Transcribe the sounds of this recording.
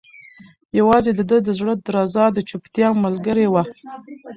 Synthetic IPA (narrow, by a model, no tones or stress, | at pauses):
jawɑzed̪əd̪əd̪əzɽəd̪ɾɑzɑd̪ət͡ʃʊpt̪jɑmalɡəɾewa